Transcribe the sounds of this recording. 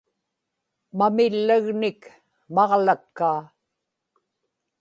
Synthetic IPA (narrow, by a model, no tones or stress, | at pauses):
mamɪlːaɣnɪk | mɑʁlakːaː